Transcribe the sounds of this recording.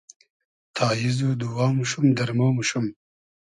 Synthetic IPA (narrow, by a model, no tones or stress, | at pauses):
t̪ʰɑːjizud̪uwɑːmuʃumd̪ɐɾmomuʃum